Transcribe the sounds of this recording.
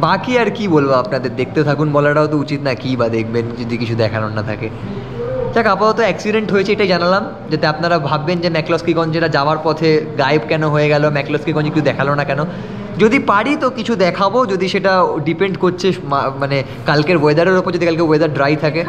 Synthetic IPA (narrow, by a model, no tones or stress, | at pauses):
bakiaɾkibolbaapnad̪eɾd̪ek̚ʰt̪et̪ʰakunbɔlaɽaot̪out͡ɕit̪nakibad̪ekʰbend͡ʒod̪ikit͡ɕʰud̪ɛkʰalonːat̪ʰa̰ke | tʰakapat̪ot̪oɛksiɖeɳʈɦojet͡ɕʰeeʈajd͡ʑanalam | d͡ʑat̪eapnaɾabʱabːend͡ʑemɛklɔskikɔɲt͡ɕeʈad͡ʑaoaɾpɔt̪ʰeɡajbkɛnoɦoeɡɛlomɛklɔskikɔnt͡ɕekit͡ɕud̪ɛkʰalonakɛno | d͡ʑod̪ipaɽit̪okit͡ɕʰud̪ɛkʰabod͡ʑod̪iʃeʈaɖipeɳɖkoɾt͡ɕʰemamane | kalkeɾboed̪aɾeɾupoɾd͡ʑod̪ikalkeboed̪aɾɖɾajt̪ʰake